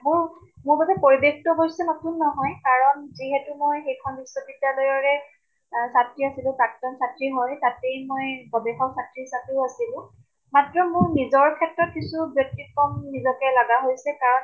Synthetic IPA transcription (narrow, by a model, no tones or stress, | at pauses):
mʊɹ | mʊɹbatɛpoɹibekʰtɔɦɔɹsɛnɔtunːɔɦɔjkaɹɔnziɦɛtumojxejkʰɔnbiswɔbidadɔjɔɹɛ | satɹiasilʊ̃pɹak̚tɔnsatɹiɦɔjtatejmojbɔbɛxɔksatɹiɦisap̚uasilʊ̃ | matɹɔmʊɹnizɔɹkʰɛtɹɔt̚kisubjɔk̚tikɔmːizɔkɛlaɡaɦojsɛkaɹɔn